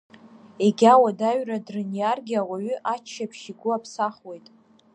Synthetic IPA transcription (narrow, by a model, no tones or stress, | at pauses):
eɡʲawadaɥradrɨnijarɡʲawaɥʏʔat͡ʃʰːapʰʃiɡʷʊapʰsaχwe̞jtʼ